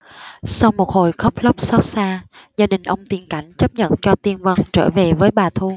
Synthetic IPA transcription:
sa˧wmo˨˩t̚ho˨˧˩jxə˦˥wk͡p̚lə˦˥p̚sɔ˦˥t̚saː˧ | zaː˧ɗï˨˩ŋ̟ʔə˧wŋ͡mt̪i˨˩əŋka˧˩jŋ̟t͡ɕə˦˥p̚ɲə̰˧˨nt͡ɕɔ˧t̪i˧ənvə˧nt͡ɕəː˧˩ve˨˩vəː˨˦jɓaː˨˩t̪ʰu˧

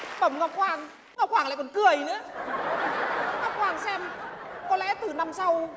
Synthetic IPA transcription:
ɓə˨˧˩ŋ͡mŋɔ˨˩p̚xwaː˧˩ŋ | ŋɔː˨˩p̚xwaː˧˩ŋlaː˧˨kɔ˨˩nkɨ˨˩əjnɨ̰˧˥ə | ŋɔa˨˧˩p̚xwaː˨˩ŋsɛ˧mkɔ˨˦lɛ̰˧˥t̪ɨ˨˩na˧msa˧w

